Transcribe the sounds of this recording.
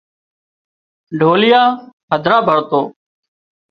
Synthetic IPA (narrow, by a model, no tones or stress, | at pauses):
ɖʱoːlɪjaːɦəd̪ʱɾaːbʱəɾt̪oː